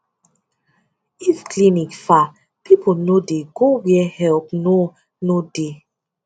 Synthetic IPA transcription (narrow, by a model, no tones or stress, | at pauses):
ifklinikfa | pʰipʰonodeɡowɛhɛlp̚no | node